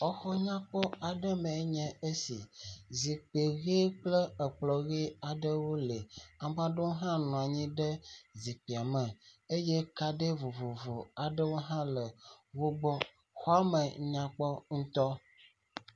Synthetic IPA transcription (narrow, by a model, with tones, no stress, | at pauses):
ɔ˦xɔ˦ɲã˦k͡pɔ˦a˨ɖə˦mɛ̃˨˦ɲɛ̃˨e˦si˨zi˨k͡pe˨ɣe˦k͡plə˦ə˨k͡plɔ˨ɣe˦a˨ɖə˦wo˦le˨a˨mã˦ɖo˦wo˦ɦã˦nɔ̃˨a˨ɲĩ˦ɖə˦zi˨k͡pi˨a˨mə̃˨e˦jɛ˦ka˨ɖə˦vo˨vo˨vo˨a˨ɖə˦wo˦ɦã˦lə˨wo˦ɡ͡bɔ˦ | xɔ˦a˦mə˨ɲã˦k͡pɔ˦ŋ̩˦t̪ɔ˦